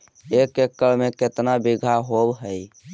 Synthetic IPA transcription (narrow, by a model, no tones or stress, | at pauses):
ekekːəɭmeket̪nabiɡʱaɦobɦəj